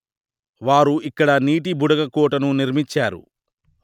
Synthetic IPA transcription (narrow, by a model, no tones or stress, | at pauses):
ʋaːɾuikːɐɽɐniːʈ̬ibuɽɐɡɐkɔːʈɐnuniɾmit͡ʃːaːɾṵ